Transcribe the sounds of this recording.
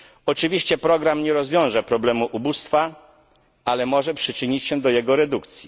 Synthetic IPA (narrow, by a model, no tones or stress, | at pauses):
ɔt͡ʂɘvʲiɕt͡ɕɛpɾɔɡɾamɲɛɾɔzvʲjɔ̃w̃ʐɛpɾɔblɛmuʔubust̪fa | alɛmɔʐɛpʂɘt͡ʂɘɲit͡ɕɕɛd̪ɔjɛɡɔɾɛd̪ukt̪sʲji